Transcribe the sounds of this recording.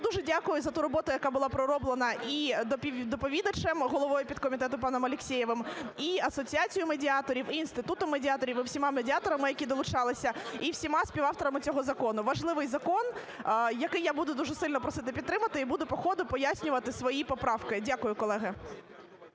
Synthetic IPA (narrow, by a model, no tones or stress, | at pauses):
d̪uʒɛdʲakʊjʊzɐt̪uɾɔbɔt̪ʊjɐkɑbʊlˠɑpɾɔɾɔblˠenɐipʲid̪ɔpɔʋʲid̪ɐt͡ʃɛmɦɔlˠɔʋɔjʊpʲid̪̚kɔmʲit̪ɛt̪ʊpɑnɔmɐlʲɪksʲejɛʋɪmiɐsɔt͡sʲiat͡sʲijʊmedʲiɑt̪ɔɾʲiwiːnst̪ɪt̪ut̪ʊmedʲɪɑt̪ɔɾʲiʋiwsʲimɑmedʲiɑt̪ɔɾɐmɪjɐkʲid̪ɔlˠʊt͡ʃɑlˠɪsʲɐiwsʲimɑsʲpʲiʋɑft̪ɔɾɐmɪt͡sʲɔɦɔzɐkɔnʊʋɐʒlˠɪʋɪjzɐkɔn | jɐkɪjabud̪ʊd̪uʒɛsɪlʲnɔpɾɔsɪt̪ɪpʲid̪ɾɪmɐt̪ɪibud̪ʊpɔxɔd̪ʊpɔjasʲnʲʊʋɐt̪ɪsʋɔjipɔpɾɑwkɪdʲakʊjʊkɔlˠɛɦɪ